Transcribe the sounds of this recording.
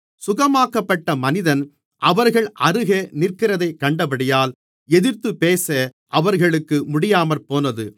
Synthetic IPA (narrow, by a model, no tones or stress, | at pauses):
sʊɣɐmaːkɐpːɐʈːɐmɐnɪðɐn | ʔɐʋɐɾɣɐɭʔɐɾɯɣeːnɪrkɪɾɐðɐɪkːɐɳɖɐpɐɽɪjaːl | ɛðɪɾt̪ːɯpːeːsɐ | ʔɐʋɐɾɣɐɭɯkːɯmʊɽɪjaːmɐlpoːnɐðɯ